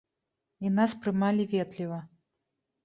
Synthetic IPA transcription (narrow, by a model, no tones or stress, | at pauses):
inaspɾɨmalʲivʲɛt̪lʲivɐ